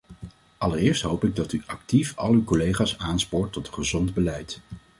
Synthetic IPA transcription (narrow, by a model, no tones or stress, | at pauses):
ʔɑlərɪːɹstɦowpɪɡ̚dɑtyʔɑk̚tifɑ̰lˠykɔlejχaːsaːnspʊːɹtɔtχəzɔndbəlɛjt